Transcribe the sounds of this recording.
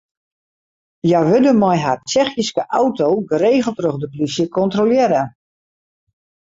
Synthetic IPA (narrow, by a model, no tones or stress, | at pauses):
jajʋødəmɔjɦart͡ʃɛxjiskəʔawtowɡəreːɣəlˠtrøɣdəplisjəkɔntroljɪɾə